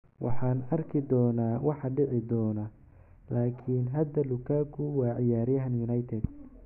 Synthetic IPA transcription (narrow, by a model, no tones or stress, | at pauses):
wʔɑ̰ħɑːnɐrkʰɪd̪ɔːnaːwɑħɑɖɪʕɪd̪ɔːnɐ | laːkʰiːnɦɐd̪ɐlʊkʰaːkʰʊwɑːʕɪjaːɾɪjɐɦɐnjʊnɐjt̪ʰɛd̪